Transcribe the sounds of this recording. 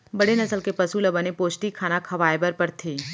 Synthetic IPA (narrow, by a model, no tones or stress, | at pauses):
bɐɽenɐsəlkepɐsuːlbɐnepoːʃʈikʰaːnakʰɐʋaːebəɾpɐɾt̪ʰiː